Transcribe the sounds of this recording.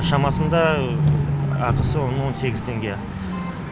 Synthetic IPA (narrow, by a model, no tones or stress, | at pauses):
ʃɑmɑsənd̪ɑ | ɑqəsəwonəwo̞nse̞ɡʲɪzt̪ʰe̞ŋɡʲe̞